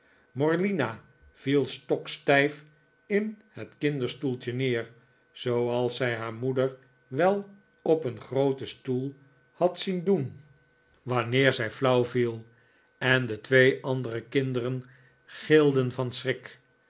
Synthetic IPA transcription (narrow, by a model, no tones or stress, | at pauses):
mɔɹlina | v̥ilˠstɔkstɛjf | ɪnhətkɪndəɹstulˠt͡ʃənɪːɹ | z̥owɑlˠsɛjɦaːɹmudəɹ | ʋɛlˠ | ɔpənχrowtəstulˠ | hɑtsindun | ʋɑnɪːɹzɛjflʌwvilˠ | ɛndətʋejʔɑndərəkɪndərən | χɪlˠdənvɑnsrɪk